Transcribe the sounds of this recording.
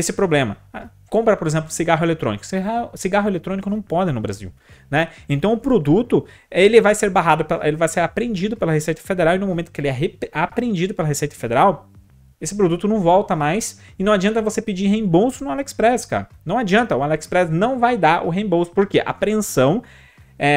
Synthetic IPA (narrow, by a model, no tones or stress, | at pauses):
esɪpɾoblẽmɐ | a | kõmpɾɐpoɾezẽmp̬lʊsiɡaɦʊelet̪ɾõnikʊ̥siasiɡaɦʊelet̪ɾõnikʊnɐ̃w̃pɔd̪ɪnʊbɾa̰zḭw | nɛẽnt̪ɐ̃w̃ʊpɾod̪ut̪ʊ | elɪvajseɾbaɦad̪ʊpelɐʔelɪvajseɾapɾẽnd͡ʒid̪ʊpelɐɦesejt̪ɐfed̪eɾawinʊmomẽn̥kɪelɪɛɦeapɾẽnd͡ʒid̪ʊpelɐɦesejt̪ɐ̥fed̪eɾaw | esɪpɾod̪ut̪ʊnɐ̃w̃vɔwt̪ɐmajs | ɪnɐ̃w̃ad͡ʒiɐ̃nt̪̬ɐvosepid͡ʒiɦẽbowsʊnʊalɛkspɾɛska̰ɾɐnɐ̃w̃ad͡ʒiɐ̃nt̪ɐʊalɛkspɾɛsnɐ̃w̃vajd̪aɾʔʊ̰ɦẽj̃bowsʊ̥poɾkeʔa̰pɾẽsɐ̃w̃ | ɛ